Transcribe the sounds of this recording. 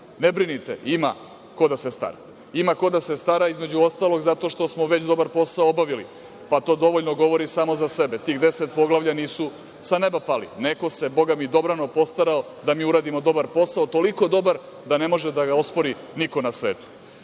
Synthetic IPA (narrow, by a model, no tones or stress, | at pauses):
nebɾinit̪ḛima̰ | ko̞d̪asest̪a̰ɾa̰ | imako̞d̪ase̞st̪aɾaizme̞d͡ʑuost̪aːlˠo̞ɡzat̪o̞ʃt̪o̞smoʋet͡ɕd̪o̞baɾpo̞saoobaʋilḭ | pat̪o̞ːd̪o̞ʋoʎnoɡo̞ʋo̞ɾisaːmo̞zase̞bet̪iːɣd̪e̞set̪̚po̞ɡlˠaʋʎʲaniːsu | sanebapalḭne̞ko̞se̞bo̞ɡamid̪o̞bɾano̞po̞st̪aɾao | d̪amiːuɾaːd̪imo̞d̪o̞baɾpo̞saot̪o̞liko̞d̪o̞baɾ | d̪ane̞mo̞ʒed̪aɡaospo̞ɾi | niko̞nasʋeːt̪u̥